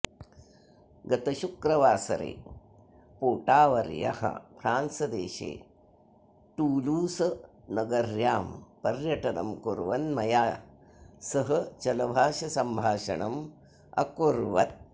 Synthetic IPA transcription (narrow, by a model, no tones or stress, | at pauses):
ɡɐt̪ɐʃukɾɐʋaːsɐ̰ɾḛː | poːʈaːʋɐɾja̰hɐ̰pʰɾaːnsɐd̪ḛːʃḛː | ʈuːluːsɐnɐɡɐɾjaːmpɐɾjɐʈɐnɐ̰mkuɾʋɐnmɐjaː | sɐɦɐt͡ʃɐlɐbʱaːʃɐsɐmbʱaːʃɐ̰ɳɐm | ɐ̰kuɾʋɐ̰t̪̚